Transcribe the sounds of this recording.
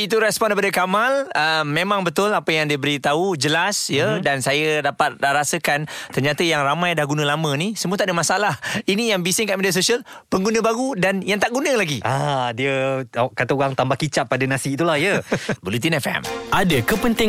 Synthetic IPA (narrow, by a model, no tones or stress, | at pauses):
it̪uɾɛspɔndepadəkamaləmːẽmãŋbət̪ʊlapəjaŋdiəbəɾit̪aud͡ʒəlasjədansajədapat̪̚ɾasəkant̪ərɲat̪əjaŋramãjdahɡunə̃lamə̃nisəmuət̪aʔdəmasalahinijaŋbisɪŋkaʔmediasosiəlpəŋɡunə̃baɡudanjaŋt̪aʔɡunə̃laɡiadiəkat̪auɣaŋt̪ambahkit͡ʃaʔ̚pːadənasiːt̪ulahjəbəlut̪̬inafɛa̰madəkəpənt̪ɪŋ